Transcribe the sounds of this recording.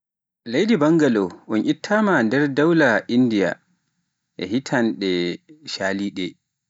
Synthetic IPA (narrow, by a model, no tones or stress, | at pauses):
lejdibaŋɡalɔʔɔnʔitʰːamandɛɾdawlaʔindija̰ | ʔɛ̰hitʰanɗɛʃaːliːɗɛ